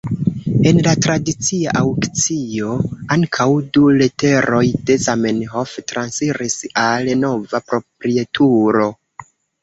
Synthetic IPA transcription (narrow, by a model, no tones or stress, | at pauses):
e̞nlatɾadit͡siaʔawkt͡sio̞aŋkʰawdulete̞ɾo̞jde̞zamenɦoftɾansiɾisalno̞vapɾo̞pɾietʰuɾo̞